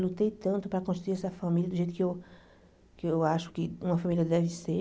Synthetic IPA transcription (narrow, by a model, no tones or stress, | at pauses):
lut̪ejt̪ɐ̃nt̪ʊpɾɐkõʃiuiɾɛsɐfɐmiljɐd̪ʊʒejt̪ʊ̥kɪew | kɪewaʃʊ̥kɪũmɐfamiliɐd̪ɛvɪse